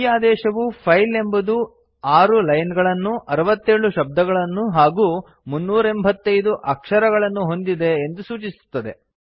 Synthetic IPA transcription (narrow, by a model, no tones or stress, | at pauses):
jaːd̪ɛːʃɐʋupʰɐjle̞mbɐd̪u | aːɾulɐjnɡɐɭɐnːuʔɐɾɐʋɐt̪ːeːɭuʃɐb̚d̪ʱɐɡɐɭɐnːuɦaːɡuː | munːuːɾɐembʱɐt̪ːɐjd̪uʔɐkʂɐɾɐɡɐɭɐnːuɦo̞nd̪id̪e̞ːnd̪usuːt͡ʃisu̥t̪ːɐd̪e̞